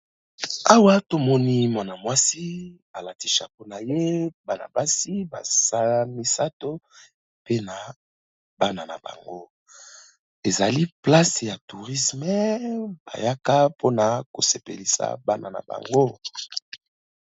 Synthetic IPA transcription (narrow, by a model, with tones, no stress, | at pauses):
a˦wa˦to˦mɔ˦ni˦mwa˨na˨mwa˦si˦ba˨la˨ti˨ʃa̰˨po˦na˨je˦ba˨na̰˨ba˦si˦ba̰˨sa˦mi˦sa˦to˦ | pe˦na˨ | ba˦na˨na̰˨ba̰˨ŋɡo̰˦ | e˨za˨li˦pla˦sja˨tu˨ʁi˦smɛ˦ba̰˨ja˦ka˦pʰo˦na˨ko˨se˨pe˨li˨sa̰˨ba˦na˨na̰˨ba̰˨ŋɡo˦